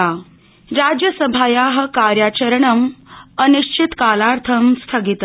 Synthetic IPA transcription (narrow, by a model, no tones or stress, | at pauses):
a | ɾad͡ʑjəsəbʱajaɦəkaɾjat͡ɕəɾɳəməniɕt͡ɕʰit̪kalaɾt̪ʰəmst̪ʰəɡit̪